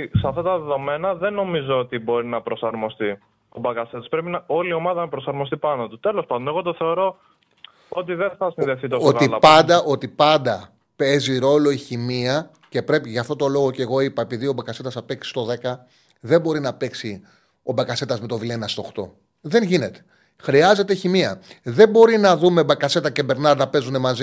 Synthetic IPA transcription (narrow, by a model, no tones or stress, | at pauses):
sɐft̪ɐt̪ɐðeðo̞me̞nɐðe̞nːo̞mizoot̪ibo̞ɾinɐpɾo̞sɐɾmo̞st̪i | obɐkɐset̪ɐspɾepinɐo̞lio̞mɐðɐnɐpɾosɐɾmo̞st̪ipɐnot̪ut̪e̞lo̞spɐnd̪oneɣo̞t̪oθe̞o̞ɾo̞ | ot̪̬iðeθɐsinðefθit̪ooɣilɐpɐnd̪ɐʔo̞t̪ipɐnd̪ɐ | pe̞ziɾo̞lo̞içimiɐ | ce̞pɾe̞piʝɐft̪o̞t̪o̞lo̞ɣo̞ceɣo̞ipɐepiðio̞bɐkɐse̞t̪ɐsɐpeksi̥st̪o̞ðe̞kɐ | ðe̞bo̞ɾinɐpe̞ksi | o̞bɐkɐse̞t̪ɐzme̞t̪o̞vilenɐst̪o̞xt̪o̞̰ | ðe̞nʝine̞t̪e̥ | xɾiɐze̞t̪e̞çimiɐ̰ðe̞bo̞ɾinɐðume̞bɐkɐse̞t̪ɐce̞be̞ɾnɐɾnɐpe̞zunemɐzi